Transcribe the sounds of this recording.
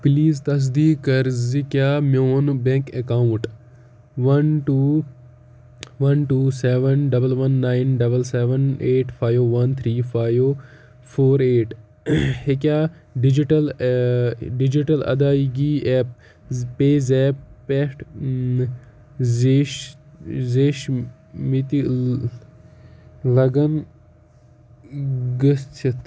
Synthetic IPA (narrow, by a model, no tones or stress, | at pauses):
pliːzt̪ɐs̬d̪iːkɐɾzikjaːmjoːnbẽŋkekaːuʈ | ʋɐnʈuː | ʋɐnʈuːseːʋənɖɐbəlʋɐnːaːɪnɖɐbəlseːʋəneːʈfʰaːjoʋɐnt̪ʰɾiːfaːjʋoː | fʰoːɾeːʈ | hekʲaː | ɖid͡ʒiʈɐl | ɖid͡ʒiʈɐlɐ̰d̪aːiɡiːɛːp̚ | peːzɛːppesʈ | zeːʃ | mit̪i | lɐɡɐn | ɡəst͡ʃʰit̪